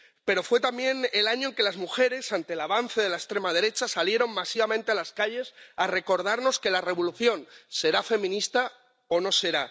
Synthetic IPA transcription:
pe̞ɾo̞fwe̞t̪ambje̞nelaɲoeŋke̞lazmuxe̞ɾe̞sant̪e̞laβanθeð̞e̞laest̪ɾe̞maðe̞ɾe̞t͡ʃasalje̞ɾo̞ŋmasiβamẽnt̪e̞alaskaʎe̞sare̞ko̞ɾð̞aɾno̞ske̞lare̞β̞oluθjõ̞nse̞ɾafe̞mĩnist̪a | ono̞se̞ɾa

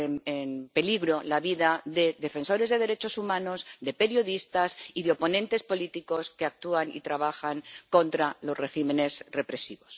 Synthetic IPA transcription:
emempe̞liɣɾo̞laβiðaðe̞ðe̞fe̞nso̞ɾe̞zðe̞ð̞e̞ɾet͡ʃo̞sumãno̞zðe̞pe̞ɾjo̞ðist̪asiðeo̞po̞nẽ̞nt̪e̞spo̞lit̪iko̞ske̞ak̚t̪uanḭt̪ɾaβ̞axaŋko̞nt̪ɾalo̞zre̞ximẽ̞ne̞sre̞pɾe̞siβo̞s

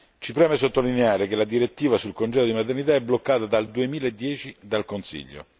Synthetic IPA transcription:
t͡ʃipɾɛːmesot̪ːolineaːɾekelad̪iɾet̪ːiːvasulkond͡ʒɛd̪od̪imat̪ernit̪aɛblokːaːt̪ad̪ald̪uemiːlaed̪ːjɛːt͡ʃid̪alkonsḭʎːo̰

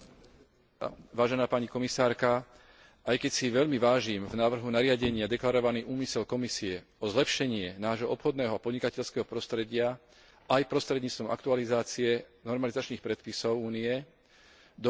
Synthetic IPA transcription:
ʋaːʒɛnaːpaɲikɔmisaːɾka | ʔajkɛcsiʋɛʎmiʋaːʒiːmvnaːʋr̩ɦunaɾɪaɟɛɲɪad̪ɛklaɾɔʋaniːʔuːmisɛlkɔmisiɛ | ɔzlɛpʃɛɲɪɛnaːʒɦɔɔpxɔd̪nɛːɦɔapɔd̪ɲikacɛʎskɛːɦɔpɾɔst̪ɾɛɟɪa | ajpɾɔst̪ɾɛd̪ɲiːt͡st̪ʋɔmʔa̰kt̪ualizaːt͡siɛnɔɾmalizat͡ʃniːxpɾɛt̪pisɔʊuːniɛ | d̪ɔ

